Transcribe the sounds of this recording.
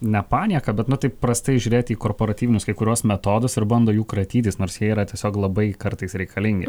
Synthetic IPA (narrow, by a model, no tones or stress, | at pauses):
nʲɛpɑːnʲiɛkɐbʲɛt̪nʊt̪ɐɪppɾɐst̪ɐɪʒʲuːɾʲeːt̪ʲiːkoːɾpoːɾɐt̪ʲiːʋʲɪnʲʊskɐɪkʊɾʲoɔsmʲɛt̪oːd̪ʊsɪɾbɐnd̪oːjuːkɾɐt̪ʲiːt̪ʲɪsnoːɾsjiɛiːɾɐt̪ʲiɛsʲoːklˠɐbɐɪkɐɾt̪ɐɪsɾʲɛɪkʰɐlʲɪŋʲɡʲɪ